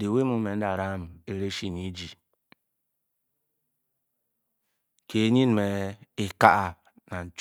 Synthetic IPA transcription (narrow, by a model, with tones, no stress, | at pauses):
de˨we˦mu˨me˨n̩˦da˨ɾa˦˨m˨e˦ɾe˦ʃi˦ni˦d͡ʒi˨ | ke˨˦ɲi˦n˨me˨i˨ka˦ʔa˨ | na˨n̩˨t͡ʃ